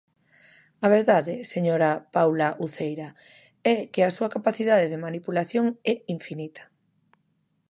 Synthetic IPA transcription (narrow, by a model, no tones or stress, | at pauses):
ɐβ̞eɾðaðɪseɲoɾɐpawlaʔuθejɾɐ | ɛkɪɐsuɐkapaθiðaðeðemanipulaθjoŋɛiɱfinit̪ʰɐ̥